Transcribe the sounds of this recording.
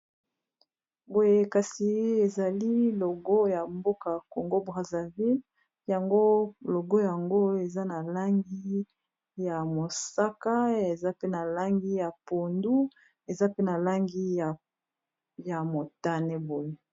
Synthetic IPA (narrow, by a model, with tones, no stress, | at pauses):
bo˨je˦ka˨si˨e˨za˨li˦lo˨ɡo˦ja˨mbo˦ka˨ko˨ŋɡo˦bʁa˨za˨vi˦l | ja˨ŋɡo˦lo˨ɡo˦ja˨ŋɡo˦e˨za˦na˨la˦ŋɡi˦ | ja˨mo˨sa˦ka˦e˨za˦pe˦na˨la˦ŋɡi˦ja˨po˨ndu˦ | e˨za˦pe˦na˨la˦ŋɡi˦a˨ | ja˨mo˨ta˦nɛ˦bo˨je˦